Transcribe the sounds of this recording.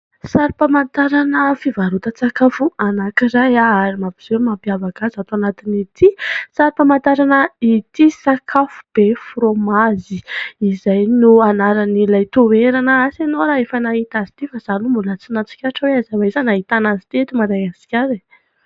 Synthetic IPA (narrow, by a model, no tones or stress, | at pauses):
saɾipamant̪aɾanəfivaɾut̪ət͡sakafuanakiɾajaaɾimabiz̥ewmampiavaɡazat̪oanat̪init̪ʰisaɾipamant̪aɾanəit̪isakʰafu̥b̥efɾomaziizajnuanaɾanilajt̪oweɾanəasanowɾaefənaɦit̪azit̪ifaz̥anumbulət͡sinat͡si̥kʲaʈ͡ʂəweazawaizanaɦit̪anazi̥t̪iet̪umaɾaat͡si̥kʲaɾi